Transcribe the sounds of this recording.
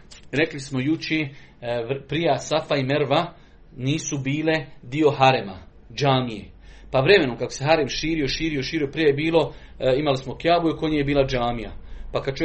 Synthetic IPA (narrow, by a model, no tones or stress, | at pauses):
ɾe̞klismo̞jut͡ʃeː | pɾijasafaimeɾʋa | niːsubiːle̞d̪io̞ɦaɾema̰ | d͡ʒaːmijḛ | paʋɾe̞me̞no̞mkakose̞ɦaɾemʃiːɾio̞ʃiːɾioʃiːɾiopɾijejebiːlo̞ | imalismo̞kjaːbujekoɲejebiːlˠad͡ʒaːmija̰pakad̥̪t͡ʃo